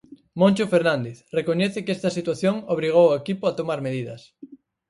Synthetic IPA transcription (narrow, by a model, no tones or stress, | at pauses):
mõnʲt͡ʃofeɾnãnd̪eθrekoɲɛθɪkest̪ɐsit̪waθjoŋoβ̞ɾiɣ̞owoekipʊat̪omaɾmeðiðɐs